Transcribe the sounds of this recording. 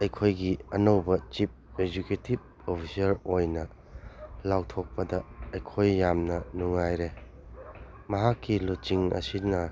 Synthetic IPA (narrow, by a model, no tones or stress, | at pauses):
ɐjkʰojɡiɐnowbɐt͡ʃip̚ed͡ʒuketib̚ | opʰisɐɾojnɐ | lawtʰok̚pɐdɐɐjkʰojːamnɐnuŋːajɾe | mɐɦakːilut͡ʃiŋɐ̰sinɐ